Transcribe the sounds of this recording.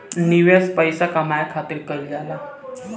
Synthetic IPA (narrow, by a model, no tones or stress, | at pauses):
niʋespəjsakamajakʰat̪iːɾkəɾd͡zala